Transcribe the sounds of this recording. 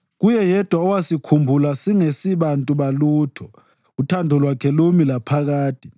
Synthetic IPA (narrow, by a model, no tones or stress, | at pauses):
k̬ujɛjɛd̥ʱwaɔwasikʰumbʱulasiŋesiɓantʼuɓaluːtʰɔ | utʰandʱɔlwakʰɛlomilapʰak̬aːtʰʼi